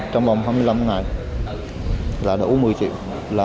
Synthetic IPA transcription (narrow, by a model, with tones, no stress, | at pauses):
t͡ɕɔ˧ŋ͡mvɔ˨˩wŋ͡mɦaː˧mɨ˧jla˧mŋa˨˩j | laː˨˩ɗə̰˧˩˨mɨ˨˩əjt͡ɕḭ˧˨w | laː˨